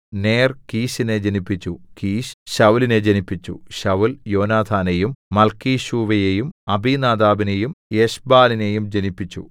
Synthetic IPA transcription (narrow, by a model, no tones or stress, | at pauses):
ne̞ːrkiːɕine̞d͡ʑenipːit͡ɕːukiːɕɕɐʋline̞d͡ʑenipːit͡ɕːṵɕɐʋuljo̞ːnaːd̪ʰʱaːnejumːɐlkiːɕuːʋɐjejumɐbiːnaːd̪aːbinejumjeɕbaːline̞jumd͡ʑenipːit͡ɕːṵ